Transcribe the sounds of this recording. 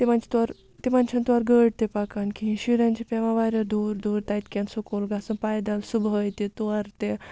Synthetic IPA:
t̪emant͡ɕi̥t̪aɾ | t̪emant͡ɕʰãnt̪ʋaɾɡəɽ̚t̪epakankĩɦĩɕiɾjãnt͡ɕipɛʋãʋaɾjad̪uɾd̪uɾt̪ajt̪̚kʲãnsukolɡasũnpajd̪alsubəjt̪et̪oaɾt̪e

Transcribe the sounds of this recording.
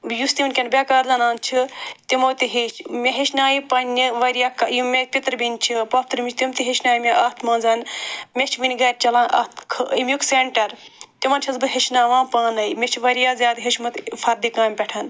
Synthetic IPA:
just̪imnkʲɐnbʲaːkaːɾzɐnãːnt͡ʃʰit̪imoːt̪iɦiʃmʲeɦeʃnaːjipɐnʲːiʋɐɾjaːkɐjumʲek̚pit̪ɾbinʲt͡ʃʰipɐpʰt̪ɾmʲit͡ʃʰt̪imt̪iɦeʃnaːjimʲeʔɐt̪ʰmɐ̃ːnzɐnmʲet͡ʃʰʋinʲiɡɐɾʲt͡ʃɐlãːnʔɐ̰t̪ʰkʰɨimʲjukseɳʈɐɾt̪imɐːnt͡ʃʰɐzbɨɦeʃnaːʋãːpaːnɐimʲet͡ʃʰʋɐɾjaːzʲjaːd̪ɦeʃmɨt̪fʰɐɾd̪ikãːmʲpʲɛʈʰɐn

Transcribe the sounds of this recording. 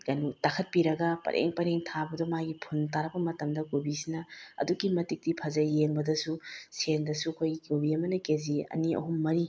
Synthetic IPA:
kɐnutakʰɐt̚piɾɐɡɐpɐ̰ɾʔḛŋpɐɾeŋtʰabɐdɔmaɡipʰuntaɾɐbɐmɐtɐmdɐkubisinɐɐ̰dukimɐtik̚tipʰɐzɐjeŋbɐdɐsusendɐsuɐkʰojɡikubiɐmɐnɐkeziɐ̰niɐ̰ɦumːɐɾi

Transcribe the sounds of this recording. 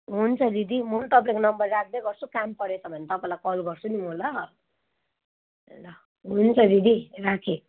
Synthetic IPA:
ɦunt͡sʰʌd̪id̪imunt̪ʌp̬aẽkonʌmbʌrːak̚ʰd̪eɡʌrt͡sʰukampʌɽet͡sʰʌbʱʌnet̪ʌpãlakʌlɡʌrt͡sʰunimolʌɦ | lʌ | ɦunt͡sʰʌd̪id̪irakʰe

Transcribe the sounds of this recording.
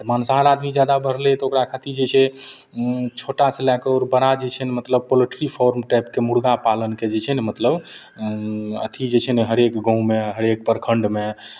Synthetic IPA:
ɾmansaɦəɾad̪mid͡ʒjad̪abəɾ̤lɛt̪okɾakʰat̪iɾd͡ʒet͡ʃʰe | t͡ʃʰoʈaselakeɔɾbəɾad͡ʒet͡ʃʰənemət̪ləb̚poləʈəɾipʰoɾmʈajpkemuɽɡapalənked͡ʒet͡ʃʰɛnemət̪ləb | ə̰t̪ʰid͡ʒet͡ʃʰɛnɛɦəɾekɡə̃ũmeɦəɾek̚pəɾkʰəɳɖme

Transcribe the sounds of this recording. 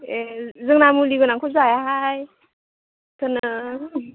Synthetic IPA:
ezɯŋnamuliɡɯnaŋkʰɔzajaɦaj | tʰɯnɯ

